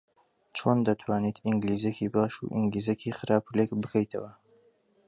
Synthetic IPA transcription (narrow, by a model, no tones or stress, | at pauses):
t͡ʃʰond̪ɐt̪ʰwaːnit̪ʰiŋɡliːzekibaːʃṵʔḭŋɡliːzekʰixɨɾaːpʰulekbɨkʰɐjt̪ʰɐ̰wɐ